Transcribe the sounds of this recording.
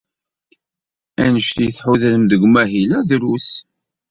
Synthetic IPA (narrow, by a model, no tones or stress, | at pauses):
ænəʃt̪jθħuðləmd̪əɡʷmæɦilæðɾus